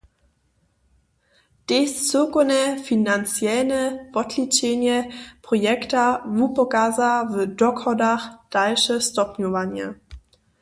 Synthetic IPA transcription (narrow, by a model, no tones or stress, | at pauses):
d̥est͡søkonəfinant͡sjɛlnəv̥ɔtʰlit͡ʃenjəpʁ̥ojɛktavupokazavədɔkɔdaχd̥alʃəstɔpnjuvanjə̰